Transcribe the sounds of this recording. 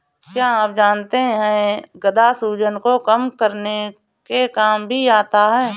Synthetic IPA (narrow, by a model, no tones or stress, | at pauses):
kjaːaːp̚d͡ʒaːnt̪eɦɦɛ̃ɡəd̪asuːd͡ʒənkokəmkəɾne | kekaːmbʱiaːt̪aɦɛː